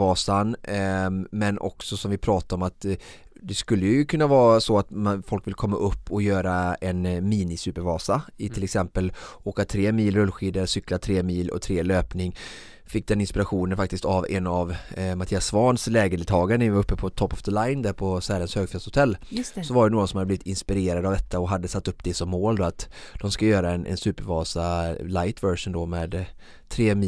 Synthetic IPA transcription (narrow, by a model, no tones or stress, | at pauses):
vɑːsan | mɛnɔ̰ksɔsɔmvɪpʰɾɑːt̪aɾɔmat̪ | d̪ɛskɵlːəjəjɵkʰɵnːavɑːsɔat̪mafɔlkvɪlkʰɔmːaʔɵpːɔjøːɾaɛnmiːnɪsʉːpəɾvɑːsaɪt̪ʰɪlɛksɛmpəloːkat̪ʰɾeːmiːlɾɵlːɧiːd̪əɾsʏkːlat̪ʰɾeːmiːlɔ̰t̪ʰɾeːløːpnɪŋ | fɪk̚ːd̪ɛnɪnspɪɾaɧuːnənfakt̪ɪst̪avɛnavmat̪ʰiːasːvɑnslɛːɡəɖɪlt̪ʰɑːɡaɾənɛɪvaɾɵpːəpʰɔt̪ʰɔpːɔfd̪əlaɪnd̪æːɾpʰɔsɛːlənshøːɡfɛshʊt̪ʰɛlːsɔvaɖɛnoːɡɔsɔmhad̪əbliːvɪt̪ɪnspɪɾeːɾad̪avd̪ɛt̪ːaɔɦad̪ːəsat̪ːɵpːd̪ɛsɔmːoːld̪ɔat̪ | d̪̥ɔmskaəjøːɾaɛnʔɛ̰nsʉ̟ːpəɾvɑːsalaɪt̪ʰvœɾʂʊnd̪ɔmeːd̪ | t̪ʰːɾeːmː